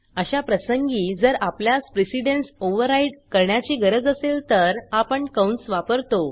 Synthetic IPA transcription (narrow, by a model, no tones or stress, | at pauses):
əɕapɾəsəŋɡiːd͡zəɾapljaspɾesiɖensoʋəɾaiɖkəɾɳjat͡ɕiːɡəɾəd͡zəselt̪əɾapəɳkawɳsʋapəɾt̪o